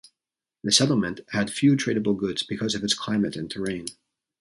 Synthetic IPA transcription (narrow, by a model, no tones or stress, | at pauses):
ðɨsɛɾl̩ˠmɨ̃nʔhɨd̥fjʉtʰɹ̥eɪɾɨbl̩ˠɡʊdz̥bɨkʰʌzʌvɨtskʰl̥ãɪ̃mɨɾɨ̃ntʰə˞ẽɪ̃n